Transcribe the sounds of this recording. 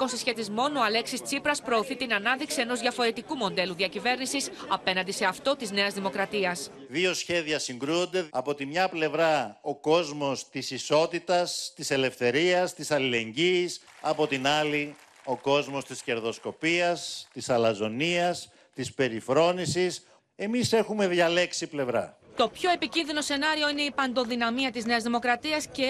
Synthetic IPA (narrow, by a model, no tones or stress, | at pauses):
kosisçe̞t̪izmo̞no̞ɐle̞ksist͡sipɾɐspɾo̞ːθit̪inɐnɐðiksie̞no̞zðʝɐfo̞ɾe̞t̪ikumo̞nd̪e̞luðiɐcive̞ɾnisisɐpe̞nɐnd̪ise̞ɐft̪o̞t̪izne̞ɐzðimo̞kɾɐt̪iɐs | ðio̞sçe̞ðiɐsiŋɡɾuond̪e̞ɐpo̞t̪imɲɐple̞vɾɐo̞ko̞zmo̞st̪isiso̞t̪it̪ɐst̪ise̞le̞fθe̞ɾiɐst̪isɐlile̞ɲɟisɐpo̞t̪inɐli | o̞ko̞zmo̞st̪isce̞ɾðo̞sko̞piɐst̪isɐlɐzo̞niɐs | t̪ispe̞ɾifɾo̞nisis | e̞mise̞xume̞ðʝɐle̞ksiple̞vɾɐ̰t̪o̞pço̞e̞picinðino̞se̞nɐɾio̞ine̞ipɐnd̪o̞ðinɐmiɐt̪izne̞ɐzðimo̞kɾɐt̪iɐsce̞